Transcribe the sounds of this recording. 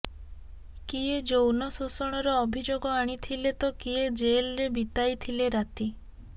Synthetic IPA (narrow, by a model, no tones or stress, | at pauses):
kied͡ʒownɔsusɔɽ̃ɔɾɔːbʱid͡ʒoɡɔaɽ̃it̪ʰilet̪ɔkied͡ʒelɾebit̪ajt̪ʰileɾat̪i